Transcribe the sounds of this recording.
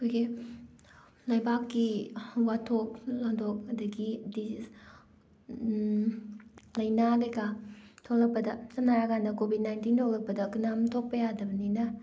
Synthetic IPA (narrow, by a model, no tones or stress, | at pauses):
kʰojɡi | lɐjbakːiwatʰok̚laŋdok̚ɐdɐɡidi | lɐjnaɡɐɡatʰok̚lɐk̚pɐdɐsɐnaɾaɡanɐkobid̚najntintʰok̚lɐk̚pɐdɐkɯnamtʰok̚pɐjadɐbɐninɐ